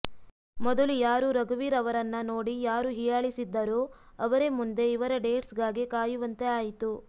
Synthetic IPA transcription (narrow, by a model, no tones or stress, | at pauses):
mɔd̪ɐlujaːɾuɾɐɡɐʋiːɾɐʋɐɾɐnːɐnoːɽijaːɾuɦijaːɭisid̪ːɐɾoː | ɐʋɐɾe̞mund̪e̞iʋɐɾɐɖe̞ːʈsɡaːɡikaːjuʋɐnt̪e̞aːjit̪u